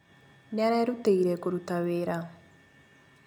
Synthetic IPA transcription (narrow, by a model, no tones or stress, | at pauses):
nɪaɾaeɾuteiɾɛkoɾutaweːɾa